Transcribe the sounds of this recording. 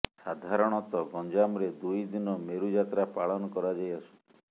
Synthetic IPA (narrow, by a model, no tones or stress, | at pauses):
sad̪ʱaɾɔɽ̃ɔt̪ɔɡɔnd͡ʒamɾed̪ujd̪inɔmeɾud͡ʒat̪ɾapaɭɔnɔkɔɾad͡ʒajasui̥